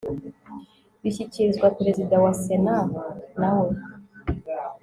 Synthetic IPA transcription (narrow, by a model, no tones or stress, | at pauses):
βiçiciɾizɡwapeɾe̞zidawase̞nanawe̞